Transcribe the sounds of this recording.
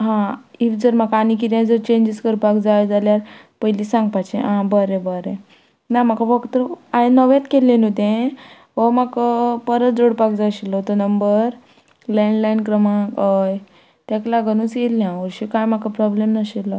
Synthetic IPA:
ɦãifd͡zəɾm̤akanik̬it̪jãd͡zəɾt͡ɕẽɲd͡ʑiskəɾpakd͡zajd͡zaljaɾ | pəilisãŋɡ̚pat͡ɕẽɦãbəɾẽbəɾẽ | nam̤akafəkt̪əɾajnəʋjat̪kelːẽnɦot̪ẽ | ʋəmakəpəɾət̪̚d͡zoɽpakd͡zaɕilət̪ənəmbəɾ | lẽɳɖlainkɾəmãkəj | t̪jaklaɡənũːt͡sjelːjãʋəɾɕikãjmakapɾɔblemnəɕila

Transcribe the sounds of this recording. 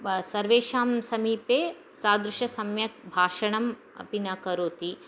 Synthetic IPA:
sɐɾʋeːʃaːmsɐmiːpeː | saːd̪ɾuʃɐsɐmjɐk̚bʱaːʃɐɳɐm | ɐ̰pinakɐɾoːt̪i

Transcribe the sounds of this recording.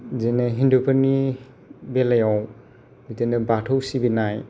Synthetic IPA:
zenaɦindupʰani | belajaw | bitenɯbatʰɔwsibinaj

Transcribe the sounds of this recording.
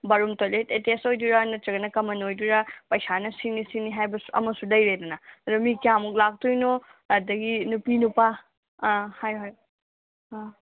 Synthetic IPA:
bɐɾumtoletetestojduɾanɐt͡ʃɐɡɐnɐkɐmɐnojduɾapɐjsanɐsinisiniɦajbɐsu̥ʔɐ̰mɐsudɐjɾedɐnɐɐdumikijamuk̚lak̚tujnoɐdɐɡinupinupa | hajɦoj

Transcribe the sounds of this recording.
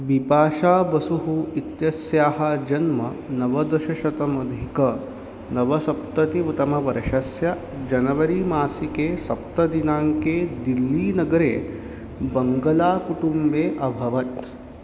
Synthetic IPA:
ʋipaːʃaːbɐsuɦuit̪jɐsjaːɦɐ̆d͡ʒɐnmɐnɐʋɐd̪ɐʃɐʃɐt̪ɐmɐd̪ʱikɐ | nɐʋɐsɐp̚t̪ɐt̪iʋut̪ɐmɐʋɐɾɐʃɐsja | d͡ʒɐnɐʋɐɾimaːsikeːsɐp̚t̪ɐd̪inaːŋkeːd̪ilːiːnɐɡɐɾḛː | bɐŋɡɐlaːkuʈumbeːʔɐbʱɐʋɐt̪

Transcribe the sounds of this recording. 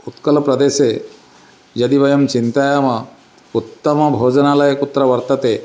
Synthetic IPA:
ut̪kɐlɐpɾɐd̪eːse | d͡ʒɐd̪ibɐjɐmt͡ʃint̪ajamɐ | ut̪ːɐmɐbʱoːd͡ʒɐnalɐjekut̪ːɾɐʋɐɾt̪ɐt̪e

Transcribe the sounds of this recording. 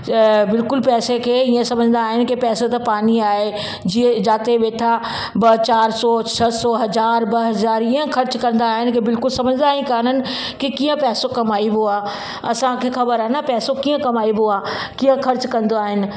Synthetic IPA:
bɪlkʊlpɛːsekʰeːɪiẽsɐməd͡ʑʱnd̪aːɦɪnɪ̆kipɛːsot̪ɐpaːniaːɦe | d͡ʑiẽd͡ʑaːt̪eʋeːʈʰa | bɐt͡ɕaːɾsɔt͡ɕʰɐsɔɦɐzaːɾbɐɦɐzaːɾɪə̃kʰɐɾt͡ɕkɐ̃nd̪aːɦɪnɪ̆kibɪlkʊlsɐməd͡ʑʱnd̪aːɦĩkaːnənɪ̆ | kikiːə̃pɛːsokɐmaːibuaː | ɐsãkʰexɐbəɾaɦnapɛːsokiːə̃kɐmaːibuaː | kijə̃kʰɐɾt͡ɕkɐ̃nd̪oaːɦɪnɪ̆

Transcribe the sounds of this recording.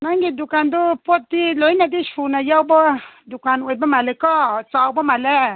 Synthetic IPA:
naŋɡidukandʊpɔt̚diloinadiʃunajawbɔdukanwebɔmalɛkɔt͡sawbɔmalɛ

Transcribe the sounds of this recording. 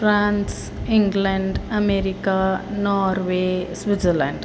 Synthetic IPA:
fɾãːns | iŋɡleɳɖɐmeːɾikanaːɾʋesʋitzəlãɳɖ

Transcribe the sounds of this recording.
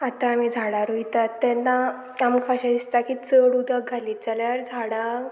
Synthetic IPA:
at̪ãːmid͡zʱaɽaɾoit̪at̪ːɛnːa | amkʰaɕad̪ist̪akit͡səɽud̪ʱaɡʱaliːt͡saljaɾd͡zʱaɽa

